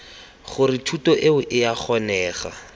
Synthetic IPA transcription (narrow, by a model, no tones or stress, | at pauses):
χʊrɪtʰutɔʔeʊʔɪjaχɔnɛːχa̰